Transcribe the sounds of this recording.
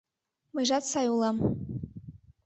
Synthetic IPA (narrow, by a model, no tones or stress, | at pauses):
mɨʒatsajulˠam